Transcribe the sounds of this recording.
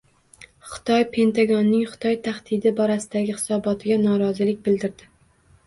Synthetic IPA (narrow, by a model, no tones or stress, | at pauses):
χɪ̥t̪ʰɒjpʰe̞nt̪ʰaɡɒnːɪŋχɨ̥t̪ʰɒjt̪ʰaχt̪ɪd̪ɪbɒɾasɪd̪aɡʲɪχɪ̥sɒbɒt̪ʰɪɡʲanɒɾɒzɪlɪk̚ʲbɪld̪ɪɾd̪ɪ